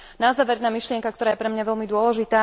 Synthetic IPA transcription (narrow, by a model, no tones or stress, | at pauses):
nazaːʋɛɾnamiʃlɪɛŋkak̚t̪ɔɾaːjɛpɾɛmɲaʋɛlmid̪ʊɔlɛʒit̪aː